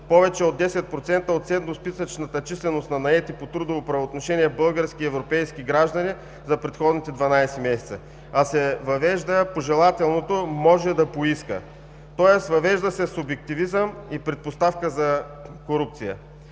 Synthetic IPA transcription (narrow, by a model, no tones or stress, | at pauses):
pɔvɛt͡ʃɛod̪ːɛsɛt̪̚pɾot̪sɛnt̪əot̪t̪sɛd̪nospisət͡ʃnət̪ət͡ʃislɛnost̪nɐnɐɛt̪ipot̪ɾud̪ovopɾɐvoot̪noʃɛniɛbɤlˠɡəɾsk̟iɛvɾopɛjskiɡɾaʒd̪ɐni | zɐpɾɛt̪xɔd̪nit̪ɛd̪vɐnajsɛmɛsɛ̥t̪sə | ɐsɛvɐvɛʒd̪əpoʒɛlˠat̪ɛlˠnot̪omɔʒɛd̪ɐpoiskə̰ | t̪ɔjɛsvɐvɛʒd̪əsɛsʊbɛk̚t̪ivizəmipɾɛt̪̚post̪afkəzɐ | koɾup̚t̪sijə̰